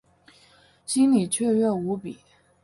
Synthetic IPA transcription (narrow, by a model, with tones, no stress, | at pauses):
t͡ɕi˥ŋli˨˩t͡ɕʰɛ˥˧ɥɛ˥˩u˧˥pi˨˩˦